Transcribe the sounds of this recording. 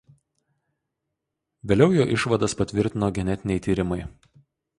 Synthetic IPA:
ʋʲeːlʲɛʊjoːʔɪʃʋɐd̪ɐspɐt̪ʲʋʲɪɾʲt̪ʲɪnoːɡʲɛnʲɛt̪ʲɪnʲɛɪt̪ʲiːɾʲɪmɐɪ

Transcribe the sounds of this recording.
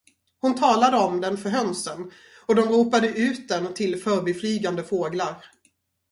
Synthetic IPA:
hʊnt̪ʰɑːlad̪əɔmd̪ɛnfœɾɦœnsən | ɔd̪ɔmɾuːpad̪əʔʉ̟ːt̪̚d̪ɛnt̪ʰɪlfœːɾbɛflyːɡand̪əfoːɡlaɾ

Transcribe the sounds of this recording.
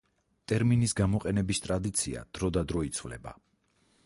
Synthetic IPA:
t̪ʼɛɾminisɡamɔqʼɛnɛbist̪ʼɾad̪it̪sʰḭa̰d̪̥ɾɔd̪ad̪ɾɔit̪sʰvlɛ̰ba̰

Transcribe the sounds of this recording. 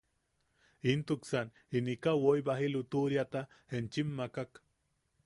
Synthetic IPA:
int̪uksan | inikawojbaɦilut̪uɾjat̪a | hent͡ʃimːakak

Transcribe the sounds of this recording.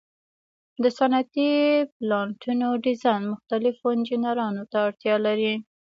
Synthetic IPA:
d̪əsanat̪iplɑɳʈunoɖizɑjnmʊxt̪alɪfoɪnd͡ʒinaɾɑnot̪aːɽt̪jɑlaɾi

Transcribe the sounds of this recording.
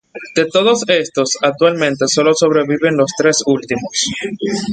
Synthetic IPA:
d̪̥e̞t̪o̞ð̞o̞se̞st̪o̞sak̚t̪walmẽ̞nt̪e̞so̞lo̞so̞βɾeβiβe̞nlo̞st̪ɾe̞sult̪imos

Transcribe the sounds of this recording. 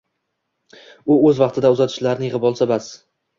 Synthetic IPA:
ʊɵzvɑqt̪ʰɪd̪aʊzat̪ʰɪ̥ʃlaɾnɪjɪʁpɒlˠsabas

